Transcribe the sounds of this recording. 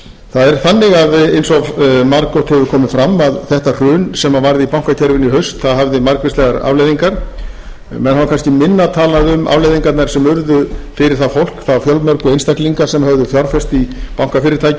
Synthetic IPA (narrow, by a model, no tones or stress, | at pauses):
θaðɛɾ̥θanːɪɣaðejnsɔvmaɾkɔt̪hɛvʏkʰɔːmɪðfɾamːaðθɛht̪ar̥ʏːnsɛmavajɾðɪipawŋ̥kacʰɛɾvɪniɦœɥst̪θaðɦavðɪmaɾkvɪst̪lɛɣaɾa̰vlejðiŋkaɾ̥ | mɛnhavakʰanscɪmɪnːat̪ʰaːlaðʏma̰vlejðiŋkaɾt̪naɾ̥sɛmʏɾðʏfɪɾɪɾ̥θafowl̥kθafjœlmœɾkʏejnst̪akliŋkḁsɛmhœvðʏfjawɾ̥fɛst̪ipawŋkafɪːɾɪɾt̪ʰaːjcɪ